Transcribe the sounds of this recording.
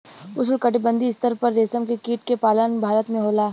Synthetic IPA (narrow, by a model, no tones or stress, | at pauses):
ʊslkɐʈɪbə̃nd̪iɪst̪əɾpɐɾːeːsəmkekiːʈkepaːlənbʱaːɾət̪mẽɦoːlaː